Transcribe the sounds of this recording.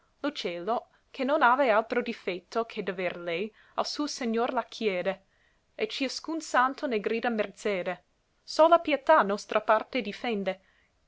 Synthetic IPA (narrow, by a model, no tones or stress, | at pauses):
lot͡ʃɛːlo | kʰenːonaːvealt̪ɾod̪ifɛt̪ʰːokʰed̪averlɛj | a̰lsuːoseɲːorlakʰjɛːd̪e | et͡ʃiaskunsant̪oneɡɾiːd̪amert̪sɛːd̪e | solapjet̪anɔst̪ɾʔapart̪ed̪ifɛnd̪e